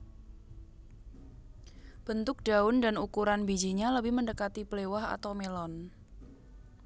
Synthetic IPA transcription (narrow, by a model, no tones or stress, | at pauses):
b̥ənt̪ʊk̚d̥aʊndanukuɾanbid͡ʒiɲaləbɪhməndəkat̪iplewaha̰t̪awmelɔn